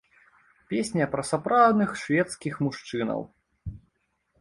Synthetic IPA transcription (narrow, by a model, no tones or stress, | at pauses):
pʲesʲnʲɐpɾɐsapɾawd̪nɨxʂvʲɛt̪skʲixmuʂt͡ʂɨnɐ̰w